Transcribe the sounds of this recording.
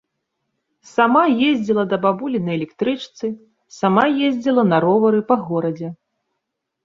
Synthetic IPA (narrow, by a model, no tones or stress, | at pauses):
samajezʲd͡zʲilˠɐd̪ɐbabulʲinɐjɛlʲɛkt̪ɾɨt͡ʂt̪sɨ | samajezʲd͡zʲilˠɐnɐɾɔvɐɾɨpɐɣɔɾɐd͡zʲɛ